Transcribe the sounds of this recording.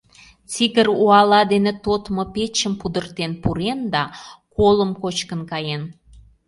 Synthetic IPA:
t͡siɣəruɑlɑd̪enet̪ot̪mopet͡ɕəmpud̪ərt̪enpuɾend̪ɑkoləmkot͡ɕkənkɑjen

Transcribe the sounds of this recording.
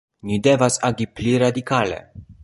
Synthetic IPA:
nide̞vasaɡipliɾadikale̞̰

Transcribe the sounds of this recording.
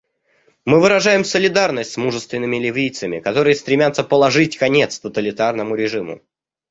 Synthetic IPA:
mɨvɨɾɐʐajɪmsəlʲɪd̪arnəsʲtʲsmuʐɨst̪vʲɪnːɨmʲɪlʲɪvʲijt̪səmʲɪkɐt̪o̞ɾɨjəst̪ɾʲɪmʲat̪sːəpəlˠɐʐɨtʲkɐnʲe̞t̪st̪ət̪əlʲɪt̪arnəmʊɾʲɪʐɨmʊ̰

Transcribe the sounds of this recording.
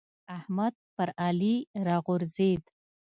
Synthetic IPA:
ahmad̪̚pəɾaliɾɑɣʊɾzed̪

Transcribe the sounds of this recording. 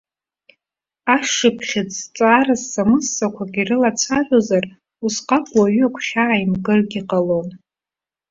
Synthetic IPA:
aʂɨpʰχʲɪt͡sʰʼt͡sʼarasːamɨsːakʷʰaɡʲirɨlat͡sʰaʒʷozar | usqʼakʼwaɥʏakʷʰχʲaːjimɡɨrɡʲiqʼalon

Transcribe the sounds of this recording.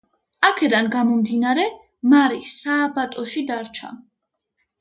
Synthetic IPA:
akʰɛd̪anɡamɔmd̪inaɾɛ | maɾisaːbat̪ʼɔʃid̪aɾt͡ʃʰa̰

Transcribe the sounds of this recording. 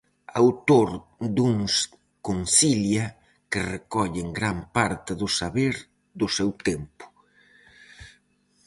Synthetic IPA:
awt̪oɾd̪uŋs | koŋsiljɐ | kɪrekɔʎɪŋɡɾampaɾt̪ɪðʊsaβeɾ | d̪ʊsewt̪empʊ̥

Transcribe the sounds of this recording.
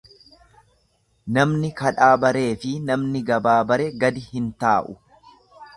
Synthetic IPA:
nɐmnɪkɐᶑaːbɐɾe̞ːfɪnɐmnɪɡɐbaːbɐɾɛɡɐd̪ɪhɪnt̪aːʔʊ

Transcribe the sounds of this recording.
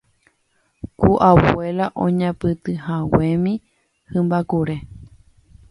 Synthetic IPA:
kuʔawelaʔõ̰ɲãpɨt̪ɨhãwẽmĩ | hɨ̃mbakuɾe

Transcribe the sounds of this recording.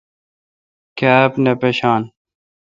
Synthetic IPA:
kaːpnɐpeɕaːn

